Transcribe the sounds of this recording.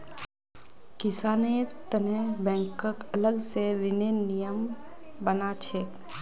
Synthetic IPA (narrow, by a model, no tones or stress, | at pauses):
kɪsaːneːɾt̪ənẽbɛ̃ːŋkəkɐləɡseɾɪnenijəm | bənat͡ʃʰek